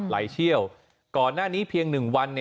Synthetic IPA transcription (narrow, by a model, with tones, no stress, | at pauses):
la̰ː˩˦jt͡ɕʰi˥˩əw | kɔː˨˩nːaː˥˩niː˦˥pʰi˧əŋnɯ˨˩ŋwa˧nː